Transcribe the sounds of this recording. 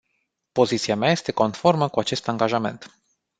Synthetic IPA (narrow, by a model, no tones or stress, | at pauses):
po̞zit̪siameaje̞st̪e̞ko̞nfo̞rməkuat͡ʃe̞st̪aŋɡaʒame̞̰nt̪